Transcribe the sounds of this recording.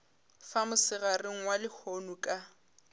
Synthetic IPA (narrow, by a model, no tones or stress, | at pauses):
famʊsɪɣarɪŋ̩walɪhonukʼa